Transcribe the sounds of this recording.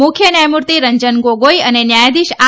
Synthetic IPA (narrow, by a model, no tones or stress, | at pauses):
ʊkʰjənajmuɾt̪iɾəɲd͡ʒənɡoɡojənenjajd̪iʃa